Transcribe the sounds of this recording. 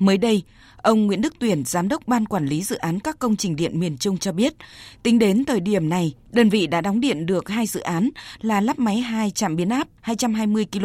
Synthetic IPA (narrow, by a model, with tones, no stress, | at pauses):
məː˨˦jɗə˧j | ʔə˧wŋ͡mŋwḭ˧˥ənɗɨ˦˥k̚t̪wi˧˩ənz̥aː˨˦mɗə˦˥wk͡p̚ɓaː˧nkwaː˧˩nli˨˦zɨ̰˧˨ʔaː˨˦nkaː˦˥kːə˧wŋ͡mt͡ɕï˨˩ŋ̟ɗḭ˧˨ənmi˨˩ənt͡ɕʊ˧ŋ͡mt͡ɕɔ˧ɓi˦˥ət̚t̪ï˨˦ŋ̟ɗe˨˦nt̪əː˨˩jɗi˧˩əmna˨˩jɗəː˧nvḭ˧˨ɗa̰ː˧˥ɗɔ˨˦wŋ͡mɗḭ˧˨ənɗɨ˨˩ək̚haː˧jzɨ̰˧˨ʔaː˨˦nlaː˨˩laː˦˥p̚ma˨˦jɦaː˧jt͡ɕa̰ː˧˨mɓi˨˦ənʔaː˦˥p̚haː˧jt͡ɕa˧mɦaː˧jmɨ˧əjki˧l